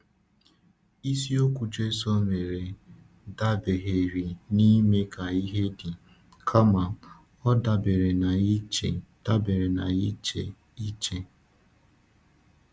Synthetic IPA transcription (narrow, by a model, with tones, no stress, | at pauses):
i˦si˦o˦kʷu˨t͡ʃe˦sɔ˦me˨ɾe˨ | da˦be˨ɦe˨ɾi˨ni˦me˦kʰa˨i˦ɦe˦di˨ | kʰa˦ma˨ | ɔ˦da˨be˨ɾe˨na˨i˦t͡ʃe˨d̥a˦be˨ɾe˨na˨i˦t͡ʃḛ˨ | i˦t͡ʃe˦